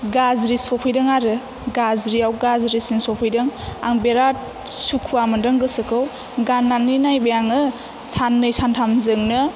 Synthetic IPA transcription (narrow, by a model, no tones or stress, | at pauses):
ɡazɾisɔpʰɯjdɯŋaɾɯ | ɡazɾiawɡazɾisinsɔpʰɯjdɯŋa̰ŋbeɾat̚ | sukʰuamɯndɯŋɡɯsɯkʰɯw | ɡanːanːinajbejaŋɯ | sanːɯjsantʰamzɯŋnɯ